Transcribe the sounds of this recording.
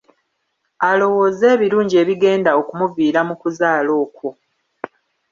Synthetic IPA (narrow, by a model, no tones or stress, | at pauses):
alo̞wo̞ːze̞ːβiɾuːɲɟie̞ːβiɡe̞ːndao̞kumuviːɾamukuzaːlo̞ːko